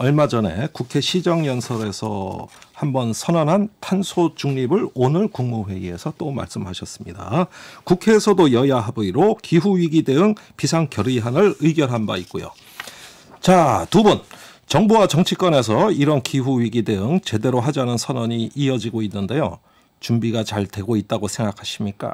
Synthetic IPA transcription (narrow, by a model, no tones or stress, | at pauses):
ʌɭmad͡ʑʌne̞̰kukʰe̞ɕʰid͡ʑʌŋjʌnsʰʌɾe̞sʰʌ̰hambʌnsʰʌnʌnɦantʰansʰot͡ɕuŋɲibɯɭonɯɭkuŋmuwe̞ie̞sʰʌt͈oma̰ɭs͈ɯmhaɕʰʌs͈ɯmɲida̰kukʰe̞ːsʰʌdojʌjaɦabɯiɾokiɦuɥiɡide̞ɯŋpisʰaŋkjʌɾiɦanɯɭɯiɡjʌɾɦanba̰ik͈̚ojo̰ | t͡ɕatubʌn | t͡ɕʌŋbuwat͡ɕʌŋt͡ɕʰik͈ʌne̞s̬ʰʌiɾʌnkiɦuɥiɡide̞ɯŋt͡ɕe̞de̞ɾoɦad͡ʑanɯnsʰʌnʌɲiːʌd͡ʑiɡoinːɯnde̞jo̰ | t͡ɕumbiɡat͡ɕaɭtwe̞ɡoit̚t͈aɡosʰeŋɡakʰaɕʰimɲik͈a̰